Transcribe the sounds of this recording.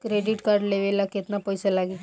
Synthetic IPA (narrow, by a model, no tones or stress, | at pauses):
kɾeɖiʈkaɾɖleʋelaket̪napɔjsalaɡe